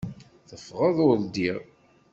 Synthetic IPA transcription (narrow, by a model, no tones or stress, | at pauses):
θəfːʁəðˤʊld̪iʁ